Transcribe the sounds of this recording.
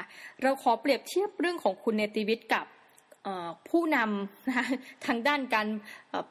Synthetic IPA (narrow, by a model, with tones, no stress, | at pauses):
ɾa˧wkʰɔː˩˦pɾi˨˩əp̚t̪ʰi˥˩əp̚ɾɯ˥˩əŋkʰɔː˩˦ŋkʰu˧nːe˧t̪iː˧wi˦˥t̪̚ka˨˩p̚ | ʔɤː˨˩pʰːuː˥˩na˧mna˦˥ka˦˥t̪ʰaː˦˥ŋdaː˥˩nkaː˧nʔː